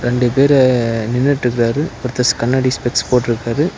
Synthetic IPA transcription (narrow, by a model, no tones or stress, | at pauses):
ɾɛɳɖɯpeːɾɛnɪnːɐʈːɾɯk̬ːɪɾaːɾɯpʊɾt̪ːɐskɐnːɐɽispɛkspoːʈːɪɾɯkːaːɾɯ